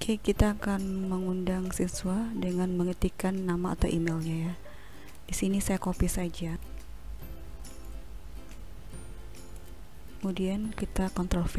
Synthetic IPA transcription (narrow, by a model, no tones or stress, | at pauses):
kʰekit̪aːkanməŋundaŋsinsuadəŋanməŋət̪ikanːama̰ːt̪a̰wʔimelɲaja | d̥isinisajakopisad͡ʒa | kəmudiankit̪akɔnt̪ɾɔf